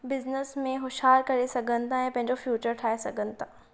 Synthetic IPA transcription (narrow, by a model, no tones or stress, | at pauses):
bɪznəsmẽɦʊʃɦaːɾkɐɾesɐɡʱənɪ̆t̪ãːjãpɐ̃ɦɪ̃ɲd͡ʑofjuːt͡ɕəɾʈʰaːesɐɡʱənɪt̪ãː